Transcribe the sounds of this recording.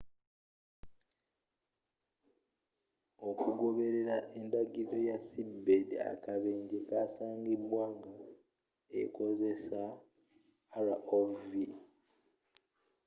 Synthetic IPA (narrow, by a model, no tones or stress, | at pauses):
o̞kuɡo̞βe̞ɾe̞ɾaʔendaɡiɾo̞jasibbedia̰kaβeːɲɟekasaːŋɡibwaːŋɡa | ḛko̞ze̞saː | ɾaʔovi